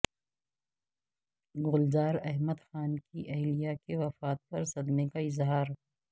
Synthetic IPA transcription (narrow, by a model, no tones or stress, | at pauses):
ɣʊlzaːɾɐɦməd̪xaːnkiʔɐɦlijakeʋɐfaːt̪̚pɐɾsɐd̪mekaɪzɦaːɾ